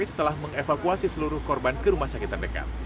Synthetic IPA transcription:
isə̥t̪əlahməŋefakuasisəluɾʊhkɔrbankəɾumahsakit̪ardəka̰t̪̚

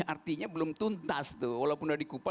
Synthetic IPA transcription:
art̪iɲabəlʊmt̪unt̪ast̪uwalaupʊndadikupa

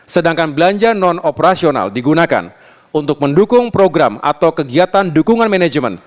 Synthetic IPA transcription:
sədaŋkanbəlaɲd͡ʒanɔnopəɾasiona̰ldiɡunaka̰n | unt̪ʊk̚məndukʊŋpɾoɡɾama̰t̪awkəɡiat̪andukuŋanmɛnad͡ʒmə̰n

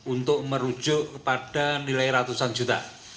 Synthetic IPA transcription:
unt̪ʊʔməɾud̥ʒ̥ʊʔkəpaɖ̥anilaiɾat̪usand͡ʒut̪a̰

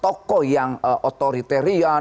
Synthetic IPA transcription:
t̪ɔkɔjaŋʔɔt̪oɾit̪eɾia

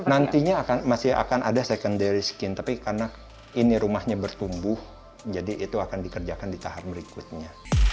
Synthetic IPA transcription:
nant̪iɲaːkanmasia̰kanʔa̰dasekəndaɾiskɪnt̪apikarna | iniɾumahɲabərt̪umbʊh | d͡ʒadiʔːt̪uakandikərd͡ʒakandit̪aɦarbəɾikut̪̚ɲa

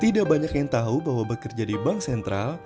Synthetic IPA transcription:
t̪idaʔbaɲakjaŋt̪aɦubaɦwabəkərd͡ʒadibaŋk̚sɛnt̪ɾal

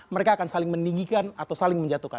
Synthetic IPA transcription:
məɾekaːkansalɪŋməniŋɡikanat̪awsalɪŋməɲd͡ʒat̪uhka̰

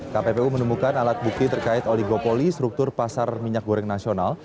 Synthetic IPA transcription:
kapepeumənumukanalat̪̚buk̚t̪it̪ərkaɪt̪olihɡopolist̪ɾuk̚t̪ʊrpasarmiɲak̚ɡoɾɛŋnasional

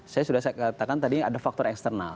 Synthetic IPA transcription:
sajasudakat̪akant̪adiadafak̚t̪ɔɾɛkst̪ərna̰l

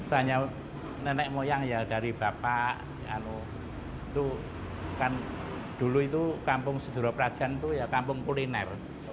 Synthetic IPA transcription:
taɲa | nənɛkmojaŋjad̥a̤ɾib̥a̤paʔ | a̰nu | it̪u | kan | d̪̥ṳluit̪ukampʊŋsə̥d̪̥ṳɾɔpəɾad̥ʒ̥a̤nt̪ujakampʊŋkulinɛr

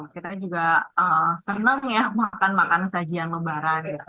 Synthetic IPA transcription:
kit̪ad͡ʒuɡaəsənəŋjamakanmakannsad͡ʒianməbaɾanja

